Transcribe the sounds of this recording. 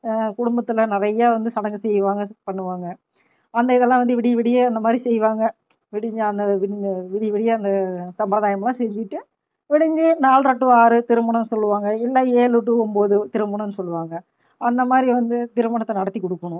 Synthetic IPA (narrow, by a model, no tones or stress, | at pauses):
kʊɽʊmbɐt̪ːɯlɐnɪrɐjːaːʋɐnd̪ɯsɐɽɐŋɡɯsɛjːɯʋaːŋɡɐpɐɳːɯʋaːŋɡɐ | ɐnd̪ɐɪðɛlːãːʋɐnd̪ɯʋɪɽɪjʋɪɽɪjeːɐnd̪ɐmaːd̪ɾisɛjʋaːŋɡɐ | ʋɪɽɪɲd͡ʒɯɐnd̪ɐʋɪʋɪɽɪjʋɪɽɪjeɐnd̪ɐsɐmbɐɾɐðaːjɐmɐlːãːsɛɲd͡ʒɪʈːɯ | ʋɪɽɪɲd͡ʒɯnaːlɾɐʈːɯaːɾɯt̪ɪɾɯmɐɳɐnːɯsɔlːɯʋaːŋɡɐɪlːɐeːlɯʈ̬ːɯɔmboːðɯt̪ɪɾɯmbɐɳɐ̃ɛnːɯsɔlːɯʋaːŋɡɐ | ɐnd̪ɐmaːd̪ɾiʋɐnd̪ɯt̪ɪɾɯmɐɳɐt̪ːɐnɐɽɐt̪ːikːɔɽɯkːɐɳʊ̃